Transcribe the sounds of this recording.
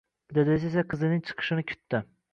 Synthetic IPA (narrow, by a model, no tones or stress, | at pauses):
d̪ɪd̪sesaqʰɨzɪnɪŋt͡ʃʰɨ̥qʰɨ̥ʃɪnɪkʲʰʊ̥t̪ːɪ